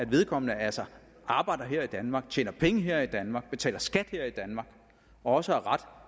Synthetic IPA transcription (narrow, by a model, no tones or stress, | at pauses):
æd̥ʋe̝ð̞ˠkʰɒ̽mənəælsɐ | ʔɑ̈ːb̥ɑ̈ɪd̥ɐɦeɐ̰id̥ænmɑ̈ːɡ̥̚t͡ɕʰḛːnɐpʰeŋəɦeɐ̰id̥ænmɑ̈ːɡ̥̚b̥e̝t͡sʰɛ̰ːlɐsɡ̥æd̥heɐ̰id̥ænmɑ̈ːɡ̥ | ɒ̽ɒ̽səæɐʁɑd̥